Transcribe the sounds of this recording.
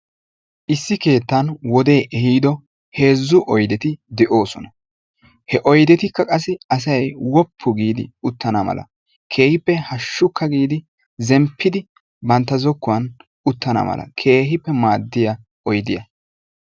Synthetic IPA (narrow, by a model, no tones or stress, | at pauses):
ʔɪsːɪke̞ːt̪ːɐnwɔd̪e̞ːʔɛhiːd̪ɔ | he̞ːzːʊʔɔjd̪ɛt̪ɪd̪ɛʔo̞ːsɔnɐ | hɛʔɔjd̪ɛt̪ɪkːɐkʼɐs̬ːɪɐs̬ɐjwɔpʰːʊɡiːd̪ɪʊt̪ːɐnɐmɐ̰lɐ̰ | kʰe̞ːhɪpːɛhɐʃːʊkʰːɐɡiːd̪ɪ | zɛmpʰːɪd̪ɪ | bɐnt̪ːɐzɔkːʊwɐn | ʊt̪ːɐnɐ̰mɐ̰lɐ̰kʰe̞ːɦɪpːɛmaːd̪ːɪjɐ | ɔjd̪ɪjɐ